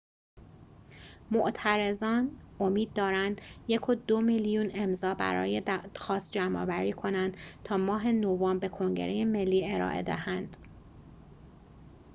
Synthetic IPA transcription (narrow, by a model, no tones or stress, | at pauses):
moʔt̪ʰæɾezɒːnomiːd̪̚ːɒːɾænd̪̥jekʰod̪omiljune̞mzɒːbæ̰ɾɒ̰ːjexɒːst̪̚d͡ʒæmʔɒ̰ːvæɾiːkʰo̞nænd̪̥t̪ʰɒːmɒːɦe̞novɒmbe̞kʰo̞ŋɟe̞̰ɾʔeje̞me̞lːiːe̞ɾɒ̰ːʔḛd̪æ̰hænd̪̥